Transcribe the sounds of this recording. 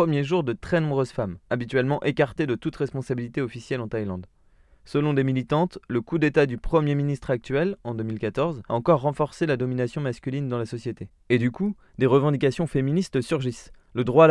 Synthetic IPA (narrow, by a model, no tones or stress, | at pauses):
əmjeʒuʁd̪ət̪χɛnɔ̃bʁøzfamabit̪ɥɛlmɑ̃ʔekaʁt̪ed̪ət̪ut̪ʁɛspɔ̃sabilit̪eɔfisjɛlɑ̃t̪ajlɑ̃d̪ | səlɔ̃d̪emilit̪ɑ̃t̪ləkud̪et̪ad̪ypχəmjeminist̪χak̚t̪ɥɛlɑ̃d̪əmilkat̪ɔʁzaɑ̃kɔʁːɑ̃fɔʁselad̪ɔminasjɔ̃maskʲylind̪ɑ̃lasɔsjet̪e | ed̪yku | d̪eʁəvɑ̃d̪ikasjɔ̃feminist̪əsyʁʒis | ləd̪ʁwa